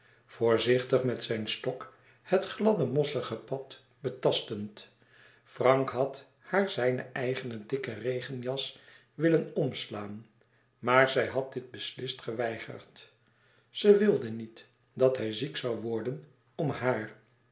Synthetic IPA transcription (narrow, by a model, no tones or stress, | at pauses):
v̥ʊːɹzɪχtəχmɛtsɛjnstɔk | hətχlɑdəmɔsəχəpɑt | b̥ətɑstənt | frɑŋkɦɑt | haːɹzɛjnə̰ʔɛjχənədɪkərejχənjɑs | ʋɪlənɔmslaːn | maːɹzɛjɦɑt̚dɪd̚bəslɪstχəʋɛjχə̰ɹt | z̥əʋɪlˠdənit | dɑtɦɛjziksɑwʋɔɹdən | ɔmhaːɹ